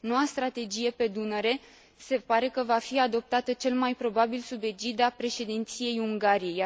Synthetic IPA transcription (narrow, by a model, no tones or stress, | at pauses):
no̞wast̪ɾat̪e̞d͡ʒije̞pe̞d̪unəɾe̞ | se̞paɾe̞kəvafiad̪o̞p̚t̪at̪ət͡ʃe̞lmajpɾo̞babilsube̞d͡ʒid̪apɾe̞ʃe̞d̪int̪sije̞juŋɡaɾije̞ja